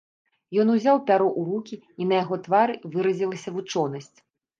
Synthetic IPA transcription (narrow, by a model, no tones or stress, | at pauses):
jɔn̪uzʲawpʲaɾɔʔuɾukʲi | in̪ɐjaɣɔt̪vaɾɨvɨɾɐzʲilˠɐsʲɐvut͡ʂɔnɐsʲt͡sʲ